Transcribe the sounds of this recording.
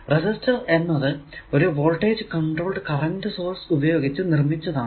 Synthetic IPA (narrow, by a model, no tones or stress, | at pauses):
resistɐre̞nːɐðɨoɾuʋoːɭʈeːd͡ʑɨkɐɳɖro̞ːɭɖɨkɐrɐndɨsoːrsubɐjoːɡit͡ɕːɨnirmit͡ɕːɐðaːɳ